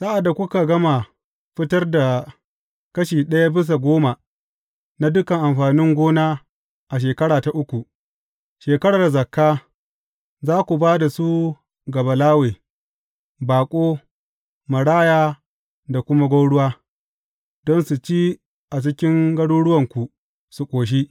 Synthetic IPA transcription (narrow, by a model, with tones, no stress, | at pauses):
sa˦ʔa˨dːa˨kʷʊ˦ka˨ɡɐ˦ma˨ | ɸɪ˦tɐ˦rda˨ | kɐ˦ʃiː˨ɗɐ˦ja˦bɪ˦s̬a˨ɡʷoː˦ma˨ | na˦dʊ˦kɐ˨ŋʔa˨mɸaː˨nɪ˦ŋɡʷoː˦naː˦ | ʔa˨ʃ̬eː˨kɐ˦ɽaː˨ta˨ʔʊ˦kʷu˨ | ʃeː˨kɐ˦ɽa˨rzɐ˨kːaː˦ | zaː˦kʷu˨baː˦da˨su˦ | ɡɐ˨bɐ˨laː˦weː˨ | baː˨kʷʼoː˦ | mɐ˨ɽaː˦jaː˦ | da˨kʷʊ˦ma˦ɡʷa˦ɽʊ˦waː˦ | dɔ˦nsu˨t͡ʃiː˦ | ʔa˨t͡ʃɪ˦kʲɪ˦ŋɡɐ˦ɽu˦ɽʊ˦wɐ˨ŋkʷu˨ | su˨kʷʼoː˨ʃ̬i˦ʔ